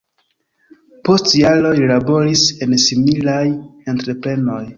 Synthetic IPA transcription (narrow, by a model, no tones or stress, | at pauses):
po̞stjalo̞jilabo̞ɾise̞nsimilajentɾe̞pɾe̞no̞j